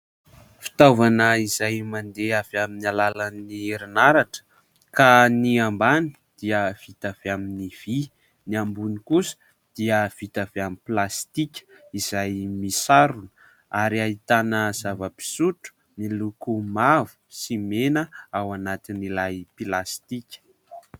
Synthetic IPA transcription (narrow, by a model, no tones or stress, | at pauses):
fi̥t̪avanəizajmand̪eav̥aminalalanieɾinaɾaʈ͡ʂə̥ | kaniambani̥ | d̪̥iəv̥it̪av̥eaminiv̥i | niambunikusə̥ | d̪̥iəv̥it̪aveamiplast̪ikʲə̥izajmisaɾunə | aɾiait̪anəz̥avəpi̥suʈ͡ʂu̥ | nilukumavu̥simenəawanat̪inilajpilast̪ikʲə̥